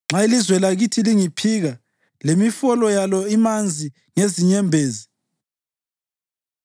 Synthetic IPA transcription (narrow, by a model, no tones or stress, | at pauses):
ŋ͡ǁailizwɛlaɣitʰiliŋipʰiɣa | lemifɔlɔjalɔimand͡zʱi | ŋeziɲɛmbʱeːzi